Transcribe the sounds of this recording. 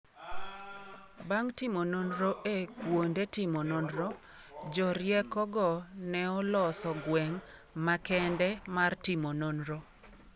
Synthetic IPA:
baŋtimononɾoʔekwondetɪmɔnɔnɾɔ | d͡ʒɔɾjɛkɔɡɔnɛɔlɔsɔɡwɛŋ | makɛndɛmartimononɾɔ

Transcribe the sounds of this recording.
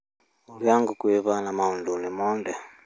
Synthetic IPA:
uɾjaŋɡukuɛβanamaundunimɔːndɛ

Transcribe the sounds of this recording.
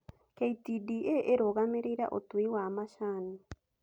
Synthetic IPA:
keitidiʔeʔeɾoɣameɾejɾa̰ʔo̰twiwamaʃani

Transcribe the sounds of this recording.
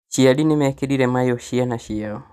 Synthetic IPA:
t͡ʃiaɗinimɛkeɗiɾɛmajɔʃianaʃiaɔ

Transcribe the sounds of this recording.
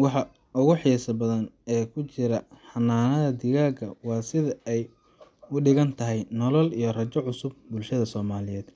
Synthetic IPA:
wɑħɑ | ʊɣʊħiːsɐbɐðɐnɛːkʰʊt͡ʃɪɾɐħɑnːaːnɐðɐd̪ɪɣaːɡɐ̰wɑːsɪðɐɛj | ʊɖɪɣɐnt̪ʰɐɦɛjnɔlɔlijɞrɐt͡ʃɔʕʊsʊb̚bʊlʃɐðɐsɔːmaːlɪjɛːd̪

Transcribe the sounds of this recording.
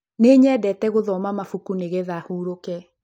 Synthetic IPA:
neɲɛːdɛtɛɣoðɔmamafukuneɣeðahuːɾokɛ

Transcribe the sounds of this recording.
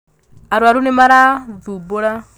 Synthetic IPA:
aɾuaɾunimaɾaðubɔɺa

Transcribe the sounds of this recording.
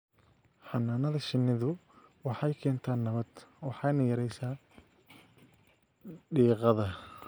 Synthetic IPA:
ħɑnːaːnɐðɐʃɪnːɪðʊ | wɑħɑjkʰɛːnt̪ʰaːnːɐβɐd̪wɑħɑjnɐjɐɾɛjsaː | ɖiːqɑðɐ

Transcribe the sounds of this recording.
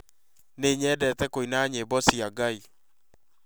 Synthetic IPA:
neɲɛdɛtɛkoinaɲebɔsiaɡai

